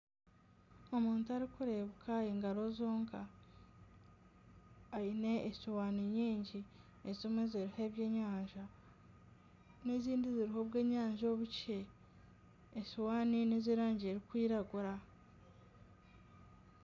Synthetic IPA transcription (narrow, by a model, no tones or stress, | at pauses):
o̞muːntuaɾikuɾe̞βukʰaiːŋɡaɾo̞zoːŋkʰa | ine̞ːsowaːniɲiːɲɟi | ezimweziɾiheβje̞ːɲaːɲʒa | neziːndiziɾiɦo̞βɡe̞ːɲaːɲʒoβuce̞ | sowaːnineziɾaːɲɟieɾikwiːɾaɡuɾa